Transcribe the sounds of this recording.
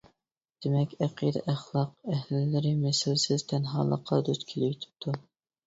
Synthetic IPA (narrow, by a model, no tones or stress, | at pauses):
d̪̥emɛkʲæqʰid̪ɛ̰ʔæχlˠɑqæhllɪɾɪmɛsɪlsɪz̥t̪ʰɛnɦɑ̰ːlˠə̰qʰːɑd̪ut͡ʃ̪kʲʰelɪjyt̪ʰɪ̥p̚t̪ʰu